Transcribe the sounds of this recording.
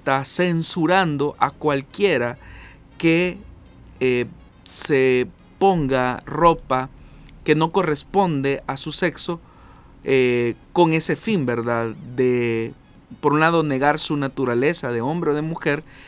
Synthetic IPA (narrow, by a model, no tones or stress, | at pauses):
st̪asensuɾand̪o̞ʔakwalkje̞ɾa | ke | e | se | po̞ŋɡaro̞pake̞no̞ko̞re̞spo̞nd̪eʔasuse̞kso̞ | eko̞ŋe̞se̞fimbe̞ɾðaðd̪e | po̞ɾunlaðo̞ne̞ɣaɾsunat̪uɾale̞saðe̞o̞mbɾeoðe̞muxe̞ɾ